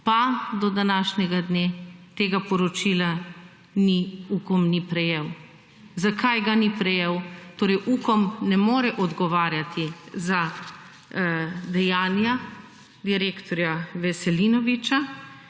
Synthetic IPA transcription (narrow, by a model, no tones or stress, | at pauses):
pad̪ɔd̪anaːʃɲɛɡad̪neːt̪eːɡapɔɾɔt͡ʃila | niukɔmnipɾɛjew | zakʰajɡanipɾɛjewt̪oːɾɛjʔuːkɔmnɛmoːɾɛʔɔd̪ɡɔʋaːɾjat̪ʰiza | d̪ɛjaːnja | d̪iɾeːkt̪ɔɾjaʋɛsɛlinɔʋit͡ʃa